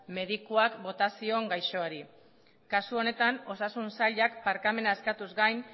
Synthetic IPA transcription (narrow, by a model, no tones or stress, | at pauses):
me̞ðikuakbo̞t̪asio̞ŋɡajʃo̞aɾi | kasuo̞ne̞t̪ano̞sasunsaʎakpaɾkame̞naeskat̪uzɡajn